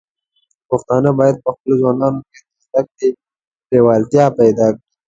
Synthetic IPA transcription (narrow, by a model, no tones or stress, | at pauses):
pəxt̪ɑːnabɑːjad̪̚pəxpəlozwɑːnɑːnoket̪at̪ak̚te | bewɑːlt̪jɑpajd̪ɑːkɽi